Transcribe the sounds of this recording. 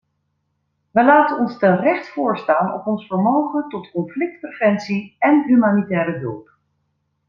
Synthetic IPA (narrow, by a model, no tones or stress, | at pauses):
ʋəlaːtənɔnstərɛχtfʊːɹstaːnɔ̰pɔnsfəɹmowχəntɔtkɔnflɪk̚tprəvɛntsiɛnɦymaːnitɛːɾəɦø̰lˠp